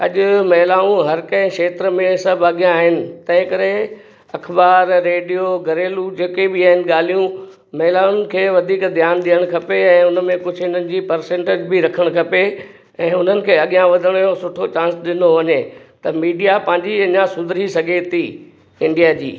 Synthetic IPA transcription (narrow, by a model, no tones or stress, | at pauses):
ɐʄʊ̆mɐɦɪlaːũɦɐɾkɐ̃ɪ̃ʃeːt̪ɾəmẽsɐbʱɐɠijãːɦɪnɪ̆t̪ɐ̃ɦɪ̃kɐɾe | ɐkʰbaːɾːeːɖijoɡɐɾeːlud͡ʑeːkebɪaːɦɪnɪ̆ɠaːl̤ijũ | mɐɦɪlaːnɪ̆kʰeːʋɐd̪ʱiːkd̪ʱjaːnɗ̪ijəɽ̃kʰɐpeɛ̃ːʊnmẽkʊd͡ʑʱɦɪn̤ənɪ̆d͡ʑiːpɐɾsẽːɳʈed͡ʑbɪɾɐkʰəɽ̃kʰɐpe | ɛ̃ːʊn̤ənɪ̆kʰeːɐɠijãʋɐd̪ʱəɽ̃josʊʈʰot͡ɕãːnsɗɪnoʋɐɲet̪ɐmiːɖijapɐ̃ɦɪ̃ɲd͡ʑiɐɲãsʊd̪ʱɾisɐɡʱet̪ʰiː | ɪ̃ɳɖijad͡ʑḭː